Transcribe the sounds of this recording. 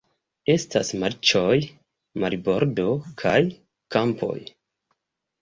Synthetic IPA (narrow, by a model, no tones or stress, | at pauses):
e̞stasmaɾt͡ʃo̞j | maɾibo̞ɾdo̞kʰaj | kampʰo̞̰j